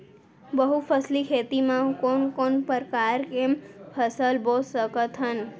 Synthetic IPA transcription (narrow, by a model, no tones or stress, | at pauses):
bəɦupʰəslikʰet̪imãkonkonpəɾkaɾkempʰəsəlbosəkət̪ʰɦən